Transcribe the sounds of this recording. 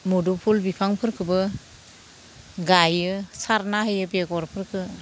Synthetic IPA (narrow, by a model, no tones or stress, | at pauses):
mudupʰulbipʰaŋpʰɯɾkʰɯbɯ | ɡajɯsaɾnaɦɯjɯbeɡɔɾpʰɯɾkʰɯ